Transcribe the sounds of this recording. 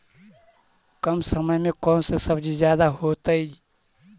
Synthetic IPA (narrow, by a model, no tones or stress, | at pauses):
kəmsəməjmekɔːnsẽsəbd͡ʒizjad̪aɦot̪əj